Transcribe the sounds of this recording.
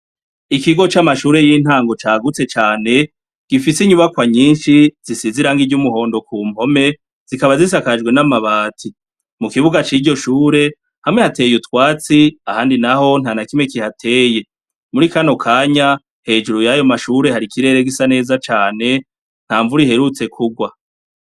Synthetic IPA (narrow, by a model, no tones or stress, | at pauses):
ikiɡo̞t͡ʃamaʃuːɾe̞jiːn̥haːŋɡo̞t͡ʃaːɡut͡se̞t͡ʃaːne̞ | ɡ̥ifisiɲuβakwaɲiːnʃiz̥isiziɾaŋɡivɟumuɦo̞ːndo̞kuːm̥ho̞me̞ | z̥ikaβazis̬akad͡ʒɡwe̞namaβaːtʰi | mukiβuɡat͡ʃiːɟo̞ʃuːɾe̞ | hamŋe̞hate̞ːjutwaːt͡siahaːndinaho̞n̥hanakimekihatʰe̞ːje̞ | muɾikano̞kʰaːɲa | he̞ːd͡ʒuɾujajo̞maʃuːɾe̞haɾikiɾe̞ːɾeɡisane̞ːzat͡ʃaːne̞ | n̥haːɱvuɾihe̞ɾut͡se̞kʰuɡwa